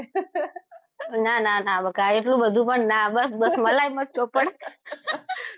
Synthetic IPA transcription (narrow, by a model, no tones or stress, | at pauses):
nananabʱəkːaeʈlũbəd̪ʱũpəɳnabəsbəsməlajmət͡ʃopəɽ